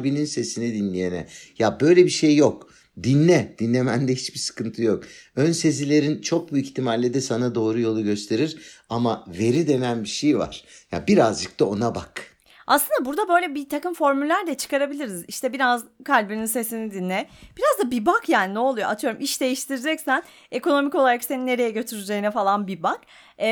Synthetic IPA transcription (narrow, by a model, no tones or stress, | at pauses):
bininse̞sinid̪inlʲijenɛ̰jabø̞jlʲebiʃejːok | d̪inːʲɛd̪̥inlːʲemænd̪ɛhit͡ʃbisɯ̥kɯnt̪ʰɯjokønse̞zilʲe̞ɾint͡ʃʰo̞k̚buiçt̪ʰimaɾʲlʲed̪ɛsanad̪o̞ːɾujo̞lˠuɟø̞st̪ʰe̞ɾiɾamave̞ɾid̪e̞nænbiʃejva̰ɾ̥ja̰biɾazd͡ʒɯk̚t̪ʰao̞nabak | a̰sˠɯnd̪abuɾd̪abø̞jlʲɛbit̪ʰakɯmfo̞ɾmylʲːæɾd̪ʲɛt͡ʃʰɯ̥kaɾabilʲiɾiziʃt̪ʰɛbiɾazkʰalʲbininse̞sinid̪inːɛb̥iɾazd̪abibakjaːninɛolˠujoʔa̰t̪ʰɯjo̞ɾumʔiʃd̪e̞jiʃt̪ʰiɾd͡ʒɛcsæn | e̞ko̞no̞mico̞lˠaɾakse̞ninːe̞ɾe̞jɛɟø̞t̪ʰyɾyd͡ʒe̞jinɛfalˠanbibakː